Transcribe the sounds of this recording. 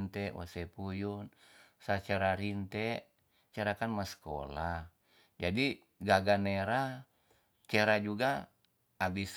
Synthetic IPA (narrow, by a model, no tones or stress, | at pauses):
nt̪ɛwa̰sɛpujun | sat͡ʃaɾaɾint̪ɛ | t͡ʃaɾakanmasko̰lah | d͡ʒadi | ɡaɡaneɾa | t͡ʃɛɾad͡ʒuɡaː | bis